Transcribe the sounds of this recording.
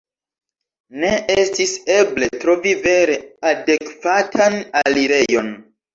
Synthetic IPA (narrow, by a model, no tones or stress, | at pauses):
ne̞ʔestise̞ble̞tɾo̞vive̞ɾe̞ade̞kvatʰanaliɾe̞jo̞n